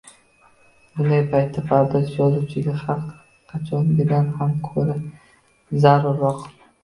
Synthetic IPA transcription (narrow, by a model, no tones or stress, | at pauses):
bʊnd̪ajpʰajt̪ʰːapʰaɾd̪azjɒzut͡ʃʰɪɡʲaχaɾq | qʰɑt͡ʃʰɒnɪɡʲɪd̪anhamkʰɵɾa | zaɾʊɾːɒq